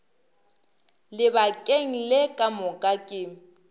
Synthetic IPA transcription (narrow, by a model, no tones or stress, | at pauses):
lɪbakʼeŋ̩lɪkʼamʊkʼakʼɪ